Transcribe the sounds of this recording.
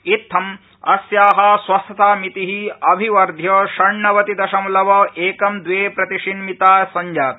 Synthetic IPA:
it̪ʰːɐm | ɐ̰sjaːɦɐswɐst̪ʰɐt̪aːmit̪iɦiɐbʱiʋɐɾd̪ʱjɐʃɐɳɳɐʋɐt̪id̪ɐʃɐmlɐʋɐʔeːkɐmd̪ʋeːpɾɐt̪iʂinmit̪aːsɐɲd͡ʒaːt̪

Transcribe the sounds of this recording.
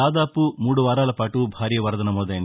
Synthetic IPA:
aːd̪aːpumuːɽuʋaːɾaːlɐpaːʈubʱaːɾjɐʋɐɾd̪ɐnɐmɔːd̪ɐjɐn

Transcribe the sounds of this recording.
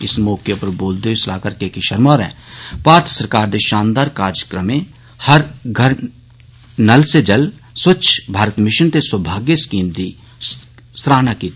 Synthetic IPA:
ɪsmoːkjepɐɾboːld̪esla̰ːkəɾkekiʃəɾmaːɾɛ̰̃ːpaːɾt̪ʰsəɾkaːɾd̪eʃãːnd̪aɾkaːɾjəkɾəmẽ | hɐɾɡʱɐɾ | nɐlsed͡ʒɐlswət͡ʃʰbʱaːɾət̪mɪʃənt̪eswəbʱaːɡjeskiːmd̪i | sɾaːnakit̪ː

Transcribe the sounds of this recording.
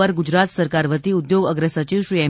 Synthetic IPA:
əɾɡud͡ʒɾat̪səɾkaɾʋət̪iud̪joɡəɡɾəsət͡ʃiʋʃɾiɛ

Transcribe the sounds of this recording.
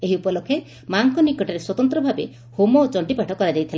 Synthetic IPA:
eɦiupɔlokʰe | maŋkɔnikɔʈaɾeswɔt̪ɔnt̪ɾɔbʱabḛ | homot͡ʃɔɳʈipaʈʰɔkɔɾad͡ʒajt̪ʰil

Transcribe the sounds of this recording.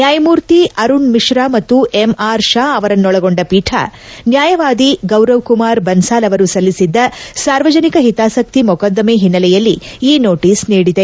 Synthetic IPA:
njaːjɐmuːɾt̪iɐɾuɳmiʂɾaːmɐt̪ːuʔemaːɾʃaːɐʋɐɾɐnːɔɭɐɡoɳɖɐpiːʈʰa̰ | njaːjɐʋaːd̪iɡɐwɾɐʋkumaːɾbɐnsaːlɐʋɐɾusɐlːisid̪ːɐsaːɾʋɐd͡ʒɐnikɐɦit̪aːsɐk̚t̪imɔkɐd̪ːɐmeːɦinːɐlɛjɐlːiiːno̞ːʈiːsniːɽid̪e̞

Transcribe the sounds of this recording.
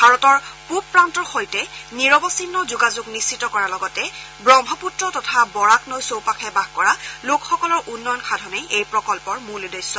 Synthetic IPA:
bʱaɹɔtɔɹpup̚pːɹantɔɹxojtɛniɹɔbɔsinːɔzuɡazuɡnist͡ʃitɔkɔɹalɔɡɔtɛ | bɹɔmbʱɔputɹɔtɔtʰabɔɹaknojsowpakʰɛbaɡkɔɹalokxɔkɔlɔɹʔunːɔjɔnkʰadʱɔnejʔejpɹɔkɔlpɔɹmulidɔjsɔ

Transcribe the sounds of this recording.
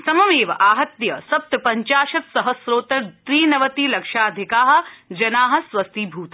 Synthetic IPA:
sɐmɐmeːʋɐʔaːɦɐt̪jɐsɐp̚t̪ɐpɐɲt͡ʃaːʃɐt̪sɐɦɐsɾoːt̪ɐɾt̪ɾiːnɐʋɐt̪iːlɐkʃaːd̪ʱɪkaːɦɐ̆d͡ʒɐnaːɦɐ̆swɐst̪ʰiːbʱuːt̪

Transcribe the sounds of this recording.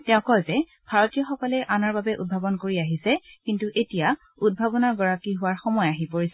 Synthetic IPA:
tɛʊ̃kɔjzɛ | bʱaɹɔtijɔxɔkɔlɛʔanɔɹbabɛʔṵd̚bʱabɔnkoɹiaɦisɛkintuʔetija | ud̚bʱabɔnaɹɡɔɹakiɦʊwaɹxɔmɔjaɦipoɹisɛ

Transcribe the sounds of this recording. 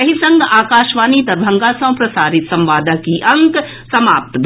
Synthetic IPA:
ɐɦisɐ̃ŋɡaːkaːʃʋaːniːt̪ɐɾbʱɐ̃ŋɡaːsɐ̃ːpɾɐsaːɾɪt̪sɐ̃mʋaːd̪ʱəkiʔɐ̃ŋk | sɐmaːp̚t̪b̪ʱ

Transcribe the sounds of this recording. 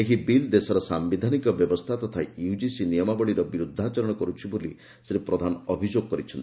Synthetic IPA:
ekibild̪esɔɾɔsambid̪ʱanikɔbjɔbɔst̪ʰat̪ɔt̪ʰajud͡ʒisinijɔmabɔɭiɾɔbiɾud̪ʱːat͡ʃɔɾɔɽ̃ɔkɔɾut͡ʃʰiboli | sɾipɾɔd̪ʱanɔɔbʱid͡ʒoɡ̚kɔɾit͡ʃʰɔnt̪ii

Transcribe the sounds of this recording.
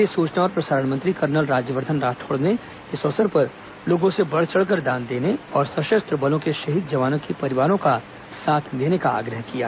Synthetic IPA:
esuːt͡ʃnaɔːɾpɾɐsaːɾəɳmə̃nt̪ɾikɐɾnəlɾaːd͡ʒjəʋəɾd̪ʱənɾaːʈʰoːɽne | ɪsɔːsəɾpɐɾ | loːɡõsebɐɽ̤t͡ʃəɽk̬əɾd̪ãːnd̪eːneɔːɾsɐʃəst̪ɾəbɐlõkeʃɐɦid̪̚d͡ʒɐʋaːnõkipɐɾɪʋaːɾõka | saːt̪ʰd̪eːnekaa̰ːɡɾəɦkija̰ː

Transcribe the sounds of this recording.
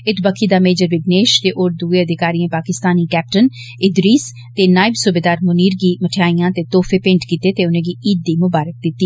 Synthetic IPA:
ɪt̪ʰbəkʰːiːd̪aːmeːd͡ʒəɾʋɪɡneːʃt̪eːʔoːɾd̪ʊeːəd̪ʱɪkaːɾiːãːpaːkɪst̪aːniːkɛːp̚ʈən | ɪd̪ɾiːs | t̪eːnaːɪbsʊbeːd̪aːɾmʊniːɾɡiːməʈʰjaːijãːt̪eːt̪oːfʰeːpɪ̃ɳʈkiːt̪eːt̪eːʊnẽːɡiːʔiːd̪̚ːiːmʊbaːɾək̚d̪ɪt̪ːiː

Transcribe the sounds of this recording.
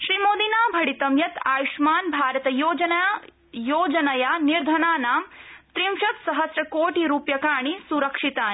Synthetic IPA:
ʃɾimoːd̪inaːbʱɐɽit̪ɐmjɐt̪aːjuʃmaːnbʱaːɾɐt̪ɐjoːd͡ʒɐn | joːd͡ʒɐnɐjaniɾd̪ʱɐnaːnaːmt̪ɾimʃɐt̪sɐɦɐsɾɐkoːʈiɾuːpjɐkaːɳ̃isuɾɐkʂit̪aːn

